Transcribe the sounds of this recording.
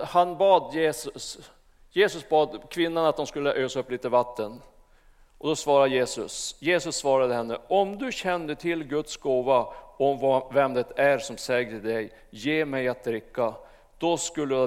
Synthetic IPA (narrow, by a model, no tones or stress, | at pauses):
hanbɑːd̪jeːsɵs | jeːsɵsbɑːd̪kʰvɪnːanat̪̚d̪ɔmskɵlːəʔøːsaɵpːliːt̪əvat̪ʰːən | ʔɔd̪ɔsvɑːɾad̪əjeːsɵsjeːsɵsːvɑːɾad̪əhɛnːəʔɔmd̪ɵɕɛnd̪əʈ̪ʰɪlɡɵt̪sɡoːvaɔmvvɛmd̪ɛt̪æɾsɔmsɛːɡəɪd̪ɛj | jeːmɛjat̪̚d̪ɾɪkːa | d̪̥ɔskɵlːəja